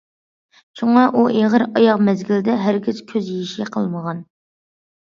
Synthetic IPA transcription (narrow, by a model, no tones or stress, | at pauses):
t͡ʃʰuŋɑʔuʔeʁəɾɑjɑqmɛzɡʲild̪ɛɦæɾɡʲɪz̥kʲʰøzjeʃiqʰə̰lˠməʁɑn